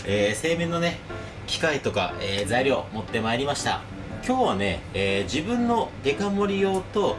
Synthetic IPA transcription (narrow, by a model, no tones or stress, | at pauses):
eːse̞ːmẽ̞nːo̞ne̞ | kʲi̥kait̪o̞ka̰eːzaiɾʲo̞ːmo̞t̪ːe̞maeɾʲimaɕi̥t̪a̰ | kʲo̞ːβane̞ːd͡ʑibɯ̟̃nːo̞d̪e̞kamo̞ɾʲijo̞ːt̪o̞